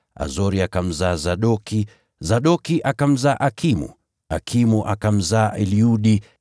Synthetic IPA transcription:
a̰zɔɾiakam̩zaːzaɗɔki | zaɗɔkiʔakam̩zaːʔakʰimṵ | a̰kʰimuʔakam̩zaːʔɛliuɗi

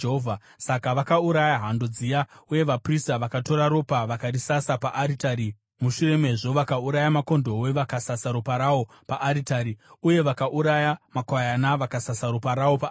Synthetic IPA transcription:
ɦovʱa | sakaʋakauɾajaɦandod͡zijauje̞ʋapristaʋakato̞ɾaɾo̞paʋakarisasapaʔaɾitaɾi | muʃure̞me̞ʐo̞ʋakauɾajamako̞ndo̞we̞ʋakasasaɾupaɾawo̞ | paʔːɾitaɾiuje̞ʋakaʔuɾajamakwajanaʋakasasaɾupaɾao̞pa

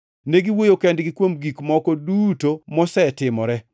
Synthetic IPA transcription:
neɡiwojokɛndɡikwomɡikmɔkɔdutomɔsɛtɪmɔɾɛ

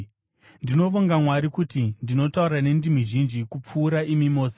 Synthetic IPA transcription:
ndino̞ʋoŋɡamwaɾikutindino̞tauɾane̞ndimiʒind͡ʒikup͡fuːɾaimimo̞ːse

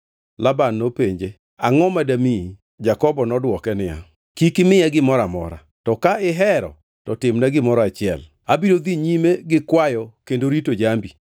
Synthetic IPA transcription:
labanːopeɲd͡ʒe | aŋɔmadami | d͡ʒakɔbɔnɔdwɔkɛnɪja̰ | kikɪmɪjaɡɪmɔɾamɔ̰ɾa̰ | tɔkaɪɦɛɾɔ̰ | tɔtɪmnaɡɪmɔɾɔat͡ʃɪɛ̰l | abiɾod̪iɲimeɡɪkwajɔkendoɾitod͡ʒambi

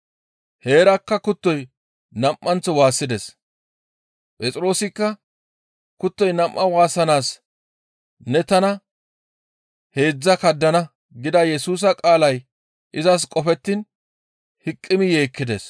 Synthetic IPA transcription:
he̞ːɾɐkːɐkʊt̪ːɔj | nɐmʔːɐnt͡sːɔwaːsːɪd̪ɛs | pʼɛt͡sʼɪɾo̞ːsɪkːɐ | kʊt̪ːɔjnɐmʔːɐwaːsɐnaːs | nɛt̪ɐnɐ | he̞ːd͡zːɐkɐd̪ːɐnɐ | ɡɪd̪ɐjɛsuːs̬ɐkʼaːlɐj | ʔɪzɐs̬kʼɔfɛt̪ːɪn | hɪkʼːɪmɪje̞ːkːɪd̪ɛs

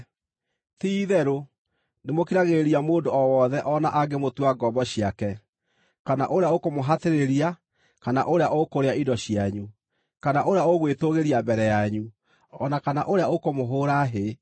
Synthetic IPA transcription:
tiːðɛɾo | nemokiɾaɣeeɾiamoːndoɔwɔðɛʔɔnaʔaɡemotwaɡɔbɔɕiakɛ | kana̰ʔoɾeaokomoɦateɾeɾia | kana̰ʔoɾeaʔokoɾeaidɔɕijaɲu | kanaʔoɾeaoɣwetoɣeɾiabɛɾɛjaɲu | ɔnakana̰ʔoɾeaokomoɦoːɾaɦe

